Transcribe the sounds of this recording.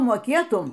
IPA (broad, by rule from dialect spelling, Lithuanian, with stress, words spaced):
moːˈkʲeːtʊm